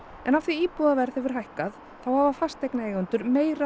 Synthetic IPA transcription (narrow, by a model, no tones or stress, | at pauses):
ɛnafθiiːpuðavɛɾθhɛvʏɾ̥hajhkað | θawhavafast̪ejknaeːjɣʏnt̪ʏɾmeːjɾa